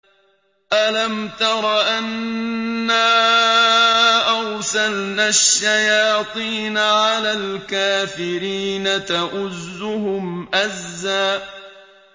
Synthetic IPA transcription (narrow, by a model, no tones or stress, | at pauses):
ʔalamt̪ɑɾˤɑʔanː | aː | ʔaɾsalnaːʃːajɑːt̪ˤiːnaʕalaːlkaːfɪɾiːnat̪aʔʊzːʊhʊmʔazːaːʔ